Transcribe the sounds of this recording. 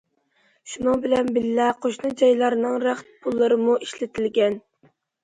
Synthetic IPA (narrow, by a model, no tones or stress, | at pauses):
ʃunuŋbɪlɛnbɪlːɛqʰoʃnɨd͡ʒɑjlˠɑɾnɨŋɾæχt̪̚pʰulˠːɨɾɨmuʔiʃlɪt̪ʰɪlɡʲɛn